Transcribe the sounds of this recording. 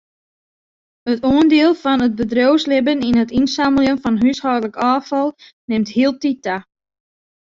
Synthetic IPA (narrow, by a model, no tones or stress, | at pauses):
ətoəndɪəlˠfɔnət̚bədrowslɪbəninətinsaməlˠjənfɔnɦyshɔwdələkɑːfɑlˠ | nɪmthiəlˠtita